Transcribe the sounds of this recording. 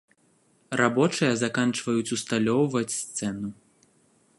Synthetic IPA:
rabɔt͡ʂɨjɐzakant͡ʂvɐjut͡sʲust̪alʲɔwvɐt͡sʲst̪sɛnu

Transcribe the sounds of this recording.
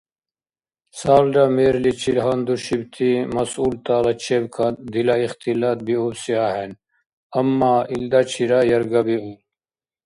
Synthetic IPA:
saːlɾameːɾlit͡ɕʰilɦand̪uɕibt̪ʰimɐsuːlt̪aːlɐt͡ɕʰebkʰɐd̪ilaixt̪ilaːt̪̚biubsiaːɦen | ɐmːaːild̪at͡ɕʰiɾajɐɾɡɐbiul

